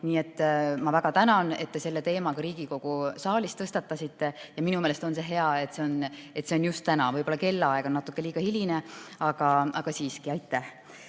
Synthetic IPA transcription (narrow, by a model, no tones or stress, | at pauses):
niːe̞t̪ːmɑvæɡ̥ɑt̪ænɑne̞t̪ːe̞se̞lːet̪e̞ːmɑkɑɾiːɡ̥iko̞ɡ̥usɑːlist̪ɤst̪ɑt̪ːˑɑsit̪ˑːe̞jɑminumeːle̞st̪o̞nse̞ɦe̞ɑe̞t̪se̞one̞t̪seo̞njust̪t̪ːænɑvɤjbolːɑke̞lːɑeɡ̥onːɑt̪ːˑukːe̞liːɡ̥ɑhilʲineɑɡ̥ɑɑɡ̥ɑsiːskiɑjt̪ːˑæh